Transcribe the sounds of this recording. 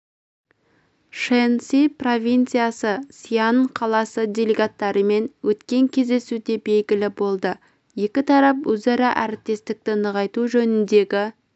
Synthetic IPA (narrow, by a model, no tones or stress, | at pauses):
ʃensipro̞vʲijnt̪sɨjasəsijanqʰɑlˠɑsəd̪ʲelʲeɡat̪ːɑɾəme̞nwɵt̪kʲe̞ŋkʲʰe̞zd̪e̞sud̪e̞be̞lɡʲɪlɪbo̞lˠd̪ə | je̞kʲɪt̪ʰɑɾɑpwɵzɑɾɑʔæɾɪp̚t̪e̞st̪ɪk̚t̪ɪnəʁɑjt̪uʒɵnɪnd̪e̞ɡʲɪ